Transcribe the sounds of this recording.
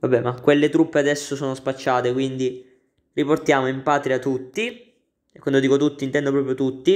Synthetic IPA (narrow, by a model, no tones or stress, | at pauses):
vabːɛmakːwelːet̪ɾupːead̪ɛsːosoːnospat͡ʃːaːt̪ekwind̪i | riport̪jaːmoimpaːt̪ɾiat̪ːut̪ːi | ekːwand̪od̪ikot̪ut̪ːint̪ɛnd̪op̬ɾɔːpɾjot̪ut̪ːi